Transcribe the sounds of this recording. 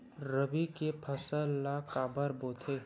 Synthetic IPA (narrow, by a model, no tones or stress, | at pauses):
ɾəbikepʰɐsəlːakaːbəɾboːt̪ʰeː